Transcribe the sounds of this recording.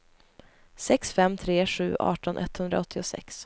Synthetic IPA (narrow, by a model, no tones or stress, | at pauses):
sɛksfɛmːt̪ʰɾeːɧʉ̟̰ːʔɑ̰ːʈɔnʔɛ̰t̪ːhɵnd̪ɾaɔt̪ʰːɪʊsɛ̰ks